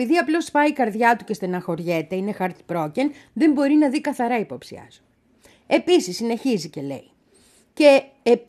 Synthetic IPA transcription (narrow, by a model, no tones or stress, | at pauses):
iðiɐplo̞spɐikɐɾðʝɐt̪uce̞st̪enɐxo̞ɾʝe̞t̪e̞ine̞xɐɾt̪i̥pɾo̞cenðe̞mbo̞ɾinɐðikɐθɐɾɐipo̞psḭɐ̰su̥ | e̞pisisːine̞çizice̞le̞̰i | ce̞ː